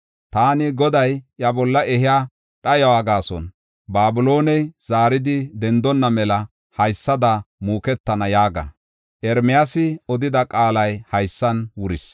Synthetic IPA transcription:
t̪aːnɪɡɔd̪ɐjjɐbɔlːɐɛhɪjaː | ɗɐjɐwaːɡaːsɔ̰n | baːbʊlo̞ːnɛjz̥aːɾɪd̪ɪd̪ɛnd̪ɔnːɐmɛlɐ | hɐjsːɐd̪ɐmuːkɛt̪ːɐnɐjaːɡɐ̰ | ʔɛɾmɪjasɪɔd̪ɪd̪ɐkʼaːlɐjhɐjsːɐnwʊɾɪs

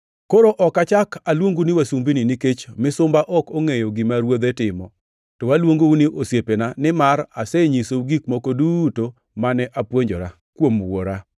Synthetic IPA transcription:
koɾoʔɔkat͡ʃakalwoŋɡuniwasumbininiket͡ʃmɪsʊmbaʔɔkoŋejoɡimaɾwod̪ɛtɪmɔ | tɔwalwoŋɡouniʔosjepenanɪmaɾasɛɲisouɡikmokoduto | manɛʔapwoɲd͡ʒɔɾa | kwomwo̰ɾa

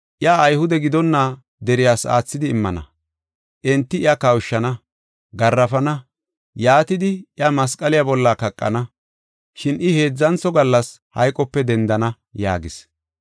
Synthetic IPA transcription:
ʔɪaːjhʊd̪ɛɡɪd̪ɔnːa | d̪ɛɾɪjaːsa̰ːt͡sːɪd̪ɪːmːɐnɐ̰ | ʔɛnt̪ːɪɪɐkɐwʃːɐnɐ | ɡɐrːɐfɐnɐ | jaːt̪ɪd̪ɪɪamɐskʼɐlɪjabɔlːakɐkʼːɐ̰nɐ | ʃɪnɪhe̞ːd͡zːɐnt͡sɔɡɐlːɐs | hɐ̰jkʼɔpːɛd̪ɛnd̪ɐnɐ | ja̰ːɡɪs

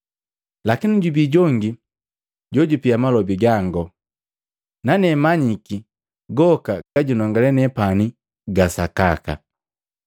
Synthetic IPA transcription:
lakiniɟubiɟɔŋɡi | ɟɔɟupiamalɔbiɡaŋɡɔ | nanɛmaɲiki | ɡɔkaɡ̥aɟunɔŋɡalɛnɛpani | ɡasakaka̰

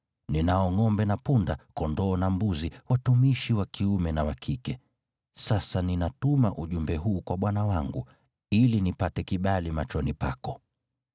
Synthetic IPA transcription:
ninaɔŋɔmbɛnapundakɔndɔːnambuziwatumiʃiwakiumɛnawakʰikɛ | sasaninatumaʔuʄumbɛɦuːkwaɓwanawaŋɡu | ilinipatɛkiɓalimat͡ʃɔnipakɔ

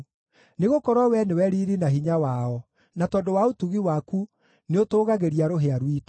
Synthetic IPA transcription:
neɣokɔɾwɔwɛnewɛɾiːɾinaɦiɲawaɔ | natɔndowaotuɣiwaku | neotoːɣaɣeɾiaɾoɦeaɾwitɔ

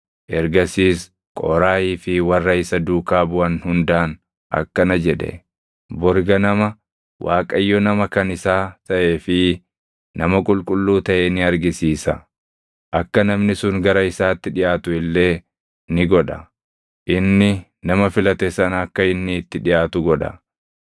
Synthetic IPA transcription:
ʔɛɾɡɐsiːs | kʼɔ̰ːɾaːjiːfɪwɐrːɐɪsɐd̪uːkaːbʊɐnhʊnd̪aːn | ʔɐ̰kːɐnɐd͡ʒɛᶑ̪ɛ̰ | bʊɾɡɐnɐmɐ | wʔaːkʼɐjːɔnɐmɐkɐnɪsaːt̪ɐʔe̞ːfɪ | nɐmɐkʼʊlkʼʊlːuːt̪ɐʔeːnɪɐɾɡɪsiːsɐ | ʔɐkːɐnɐmnɪsʊŋɡɐɾɐɪsaːt̪ːɪᶑɪjaːt̪ʊɪlːe̞ː | nɪɡɔᶑɐ | ʔɪnːɪ | nɐmɐfɪlɐt̪ɛsɐnɐkːɐɪnːɪːt̪ːɪᶑɪjaːt̪ʊɡɔᶑɐ̰

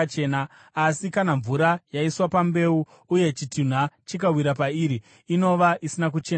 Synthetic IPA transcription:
t͡ʃeːnaː | sikanaɱvuɾajaiswapambe̞uː | je̞t͡ʃitun̤wat͡ʃikawiɾapaiːɾiː | no̞ʋaʔisinakut͡ʃe̞n

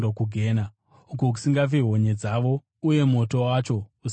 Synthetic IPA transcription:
okuɡʱeːna | ukok̬u̥siŋɡaveɦo̞ɲe̞d͡zaʋo̞ | uje̞mo̞to̞wat͡ʃo̞u

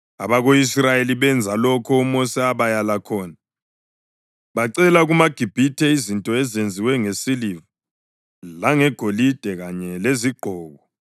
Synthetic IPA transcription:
a̰βaɣoisrajeliβɛnd͡zʱalɔkʰɔumɔsɛaβajalakʰɔːna | βaǀɛlaɣumaɡ̥ʱib̥ʱitʰɛizintʼɔɛzend͡zʱiwɛŋesilivu | laŋɛɡ̥ʱolid̥ʱɛɣaɲɛleziɡ͡ǃʱɔːɣɔ

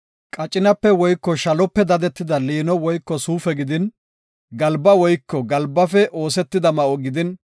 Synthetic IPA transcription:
kʼɐt͡ʃʼːɪnɐpːɛwɔjkːɔʃɐlɔpːɛd̪ɐd̪ɛt̪ːɪd̪ɐliːnɔwɔjkːɔsuːfɛɡɪd̪ɪn | ɡɐlbɐwɔjkːɔɡɐlbːɐfɛʔoːsɛt̪ːɪd̪ɐmɐʔɔɡɪd̪ɪn

